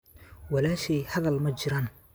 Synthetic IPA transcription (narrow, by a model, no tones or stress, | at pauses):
wɐlaːʃɛjhɐðɐlmɐt͡ʃɪɾaːn